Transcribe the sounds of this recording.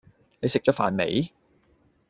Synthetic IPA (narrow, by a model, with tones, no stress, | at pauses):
ne˨˧jsɪ˨k̚t͡ʃɔː˨˥fa̰ː˨nmḛ˨˧j